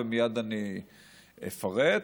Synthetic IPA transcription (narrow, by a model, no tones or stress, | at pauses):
emijad̪ani | ḛfaʁe